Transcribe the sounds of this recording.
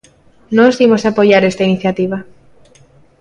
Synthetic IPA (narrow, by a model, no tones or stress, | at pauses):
nozðimosapoʝaɾest̪ainiθjat̪iβa